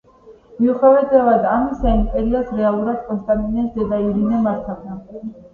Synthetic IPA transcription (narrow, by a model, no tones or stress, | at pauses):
miuχɛvɛd̪ɛvad̪amisaimpʼɛɾiɔsɾɛalˠuɾad̪̥̚kʼɔnst̪ʼaminɛsd̪ɛd̪aiɾinɛmaɾt̪ʰava